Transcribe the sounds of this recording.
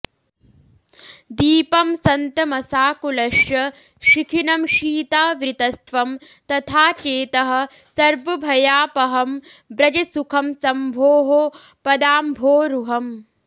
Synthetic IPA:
d̪iːpɐmsɐnt̪ɐmɐsaːkulɐʃjɐ | ʃikʰinɐmʃiːt̪aːʋɾɪt̪ɐst̪ʰʋɐm | t̪ɐt̪ʰaːt͡ʃeːt̪ɐɦɐ̆ | sɐɾʋɐbʱɐjaːpɐɦɐmbɾɐd͡ʒɐsukʰɐmsɐmbʱoːɦo | pɐd̪aːmbʱoːɾuɦɐm

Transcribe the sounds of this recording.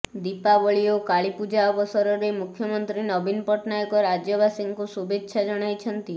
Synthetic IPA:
d̪ipabɔɭiokaɭipud͡ʒaɔbɔsɔɾɔɾemukʰjɔmɔnt̪ɾinɔbinpɔʈnajɔkɔɾad͡ʒjɔbasiŋkusubetːʃʰad͡ʒɔɽ̃ajt͡ʃʰɔnt̪i

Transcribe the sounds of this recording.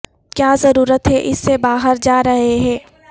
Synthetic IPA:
kjaːzɐɾuːɾət̪ɦɛʔɪsːebaːɦəɾd͡ʒaːɾɐɦeɦɛ̃ː

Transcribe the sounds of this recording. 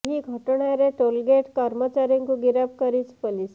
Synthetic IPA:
ɦiːɡʱəʈɳaɾeʈolɡeʈkəɾmət͡ɕaɾiŋkuɡiɾap̚kəɾiːt͡spəliːs

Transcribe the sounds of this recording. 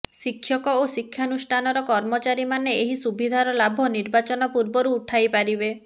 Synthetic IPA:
sikʰːjɔkɔosikʰjanusʈʰanɔɾɔkɔɾmɔt͡ʃaɾimaneeɦisubʱid̪ʱaɾɔlabʱɔniɾbat͡ʃɔnɔpuɾbɔɾuːʈʰajpaɾibe

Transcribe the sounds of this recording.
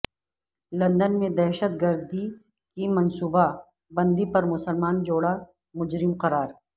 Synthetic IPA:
lɐ̃nd̪ənmẽd̪ɛɦʃət̪̚ɡɐɾd̪i | kimɐnsuːba | bɐ̃nd̪ipɐɾmʊsəlmaːnd͡ʒoːɽa | mʊd͡ʒɾɪmqɐɾaːɾ

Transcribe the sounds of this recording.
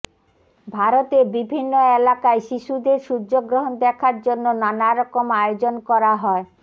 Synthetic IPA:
bʱaɾot̪ebibʱinːoelakaeʃiʃud̪eɾʃuɾd͡ʑoɡɾoɦond̪ɛkʰaɾd͡ʑonːonanaɾɔkomajod͡ʑonkɔɾaɦɔe

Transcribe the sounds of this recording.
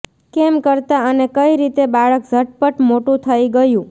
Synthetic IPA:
kemkəɾt̪aənekəiɾit̪ebaɭəkd͡ʒʱəʈ̚pəʈmoʈũt̪ʰəiɡəjũ

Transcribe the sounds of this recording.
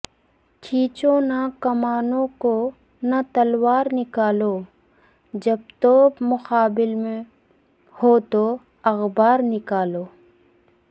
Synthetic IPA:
t͡ʃʰiːt͡ʃõnakɐmaːnõko | nat̪ɐlwaːɾnɪkaːloː | d͡ʒɐb̚t̪oːbmʊxaːbɪlmẽ | hoːt̪o | ɐɣbaːɾnɪkaːloː

